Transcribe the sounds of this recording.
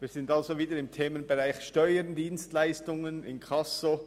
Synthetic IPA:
viːz̥ɪndalzoviːdəɾɪmtʰeːmənbeʁaɪxʃtɔʏəndiːnstlaɪstʊŋənɪ̰nkʰɑso

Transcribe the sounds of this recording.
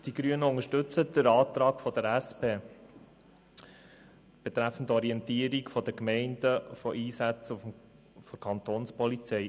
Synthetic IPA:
d̥iɡ̥ɾyənəʊŋəʃtɵt͡səd̥əɾɑːt̪ɾɑːkfɔd̥̪əɾæspeː | b̥ɛt̪ɾæfən̩tɔɾiɛntiːəɾikfɔd̪əkmɛɪndəfɔʔiːsæt͡sufm | fɔkʰɑnt̪oːnspɔlit͡sɛɪ

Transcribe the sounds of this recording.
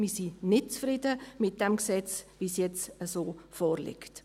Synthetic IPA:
misinɪt̚t͡sfɾɪdəmɪt̚d̥ɛmksɛt͡sʋiːsjɛt͡səsoːfɔːɾlɪ̰kt

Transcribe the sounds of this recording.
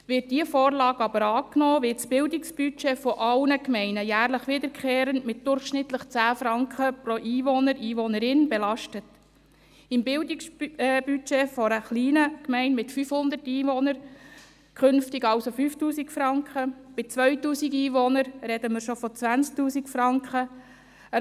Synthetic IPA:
ʋɪt̚d̥iəfoːɾlɑːɡɑbəɾɑːknoːʋɪtt͡sb̥ɪldɪksb̥yt͡ʃefɔʔɑwnəkmɛɪnəjæːɾləχʋɪd̪əɾkχeːɾənmɪt̚d̥ʊɾχʃnɪt̪ləχt͡sæːfɾɑŋkχəpɾoʔiːʋɔnəɾiːʋɔnəɾɪnbɛlɑʃtət | ɪmbɪldɪksbyt͡ʃeːfɔɾəχliːnəkmɛɪnmɪtfyfhʊnd̪ətiːʋɔnəɾ | kχʏnftɪɡɑwsofyːftuːsikfɾɑŋkχəb̥ɪt͡sʋœɥtuːsiɡiːʋɔnəɾɾɛdəməɾʃofɔt͡sʋænt͡sk̚tuːsikfɾɑŋkχə

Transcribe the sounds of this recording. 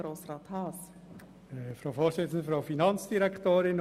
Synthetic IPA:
ɾoːsrɑːt̪hɑːs | fɾoʊfoːɾsɪt͡sən̩d̪əfɾaʊfinɑnt͡sd̥iɾɛkʰtoːɾɪn

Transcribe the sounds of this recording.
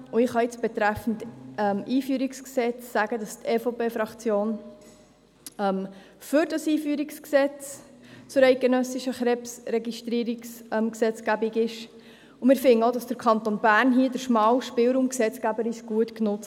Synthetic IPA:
ʊɪχɑɪt͡sb̥ɛt̪ɾæfn̩tɛmʔiːfyːɾiksksɛt͡sːæɡədɑstʰɛːfopeːfɾɑkt͡sjoːn | ɛm | fʏɾdɑsiːfyːɾiksksɛt͡s | t͡sʊɾɛɪt̚ɡ̥enœsiʃəχɾɛpsɾɛɡiʃtɾiːɾiksɛmksɛt͡skæbiɡɪʃ | ʊmɪːɾfɪnəodɑsd̥əɾkʰɑnt̪onbæːɾnɦiədəɾʃmɑːwʃpɪlɾuːmksɛt͡skæbəɾisɡ̥uətknʊt͡s

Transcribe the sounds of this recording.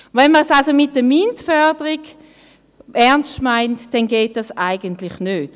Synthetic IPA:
vɛnməʁsalsomɪt̚dəmintfœɐdəʁiɡ | ʔɛɐnstmaɪntd̥ɛnɡeːt̚d̥ɑsaɪɡəntlɪχnøːt

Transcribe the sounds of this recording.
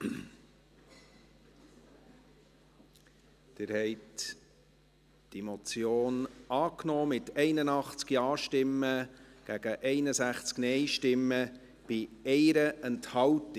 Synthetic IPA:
d̪̥ɪɾhɛɪt | d̥imɔt͡sjoːnɑːknɔːmɪtɛɪnənɑχt͡skjɑːʃtɪmːəɡ̥æɡ̥əʔɛɪnəsæχt͡sknɛɪʃtɪmːə | b̥ɪɛɪɾəɛnthɑwt

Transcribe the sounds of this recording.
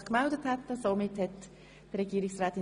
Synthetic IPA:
χkmɛldəthɛtəsomɪthɛt | d̥əɾɛɡiːɾɪksʁaːtɪ

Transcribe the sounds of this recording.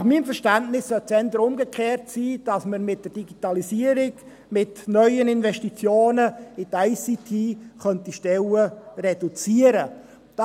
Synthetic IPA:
χmiːmfəʃtæntnɪsːœt͡sɛnd̪əɾʊmɡəkχeːrtsiːd̥ɑsməɾmɪt̚d̥ərd̥iɡitɑlisiəɾɪɡ | mɪtnœʏənɪnvɛʃtit͡sjoːnəɪtajsitʰiːχœntiʃtɛlərɛdut͡siəɾə | d̥ɑ

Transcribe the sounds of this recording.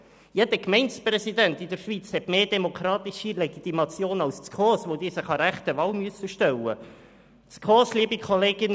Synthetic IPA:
jedəkmɛɪnsprɛsid̪ænt̪id̪əɾʃʋit͡shɛtmeːdɛmokʰɾɑːt̪iʃileɡit̪imɑt͡sjoːnɑwst͡skʰoːsʋod̪iːsɪχɑɾæχt̪əvɑːlmyəsəʃtɛlːə̰ | t͡skʰoːsliːəbikʰoleːɡ̥ɪn

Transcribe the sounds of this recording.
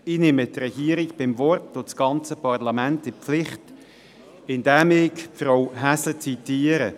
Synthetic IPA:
inɪmətrɛɡ̥iːəɾɪɡb̥ɪmvɔrtʊt͡sɡ̥ɑnt͡səpɑrlɑmæntɪpflɪχt | ɪndæmɪːkfɾɔwɦæslət͡sitiːəɾə

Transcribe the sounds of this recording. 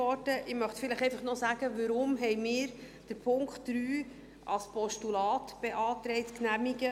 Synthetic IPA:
ɔɾtəʔɪmœχtfɪləχɛjfɑχnɔsæːɡ̥əʋəɾʊmɦɛjmɪːɾ | d̥əɾpʰʊŋktːɾyː | ʔɑ̰lspʰɔʃtulɑːtb̥ɛʔɑːt̪ɾɛɪtknæmiɡə

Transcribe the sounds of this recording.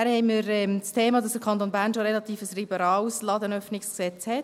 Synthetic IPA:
æɾhɛɪmiːɾɛmstʰeːmɑːdɑsd̥əɾkʰɑnt̪onbæːɾnʃoɾɛlɑt̪iːfəsribəɾɑːlslɑːdənœfnɪksksɛt͡shɛt

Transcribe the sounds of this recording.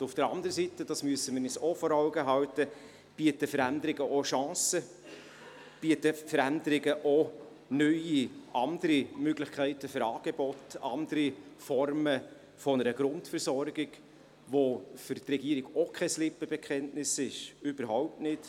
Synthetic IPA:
ʊfd̥əɾɑ̰ndəɾəsitəd̥ɑsmyəsəmɪnisɔfɔɾɑʊɡəɦɑwtə | b̥iːətəfəɾændəɾɪɡəʔoʃɑ̃ːsə | b̥iətəfəɾændəɾɪɡəʔo | nœʏiʔɑnd̥əɾimøɡlɪxkʰæɪtəfʏɾɑːɡ̥ebɔtɑ̰ndəɾifɔrmə | fɔnəɾəɡ̥ɾʊntfəɾsɔɾɡɪɡ̥ | ʋofʏɾtrɛɡ̥iːɾiɡɔkʰɛslɪpəb̥ekʰχɛntnɪsɪʃyb̥əɾɦaʊp̚tnɪt

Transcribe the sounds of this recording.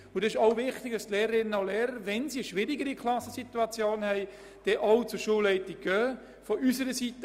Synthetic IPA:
ʊdɑsɪʃoʊvɪχtɪɡ̥̚d̥ɑstleːɾəɾɪnənoleːɾəɾʋɛnsiəʃʋɪɾiɡəɾikʰlɑsəsituɑt͡sjoːnhɛɪ | d̥ɛʔɔʊt͡sʊʃuːlːɛɪtɪɡ̥œː | fɔʔysəɾəsitə

